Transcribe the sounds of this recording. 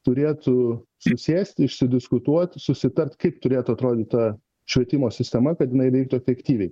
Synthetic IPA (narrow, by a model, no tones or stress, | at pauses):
t̪ʊɾʲeːt̪ʊ | sʊsʲeːsʲt̪ʲɪʃʲsʲɪd̪ʲɪskʊt̪uɔt̪ʲsʊsʲɪt̪ɐrʲt̪kɐɪpt̪ʊɾʲeːt̪ʊɐt̪ɾoːd̪ʲɪt̪̚ʲt̪ɐ | ʃʲʋʲiɛt̪ʲɪmoːsʲɪsʲt̪ʲɛmɐkɐt̪jɪnɐɪʋʲɛɪk̚t̪ʊɛfʲɛkt̪ʲiːʋʲɛɪ